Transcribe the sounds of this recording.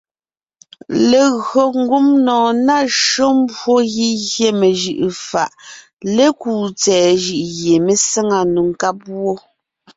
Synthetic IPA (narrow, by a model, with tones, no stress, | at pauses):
le˨ɣo˨ŋ̩˦ɡu˦mnɔ̃ː˨na˦˨ʃo˦m˦bwo˦ɣi˦ɣje˦me˨ʒɯ˨ʔfa˨ʔ | le˦kuː˨t͡sɛː˨ʒɯ˨ʔɣje˨me˦sɛ˦ŋa˨nu˨ŋ˨ka˦p̚wo˦